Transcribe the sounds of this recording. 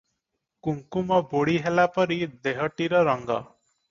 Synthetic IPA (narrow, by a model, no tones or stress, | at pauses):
kuŋkumɔboɽiɦelapɔɾid̪eɦɔʈiɾɔɾɔŋɡɔ̰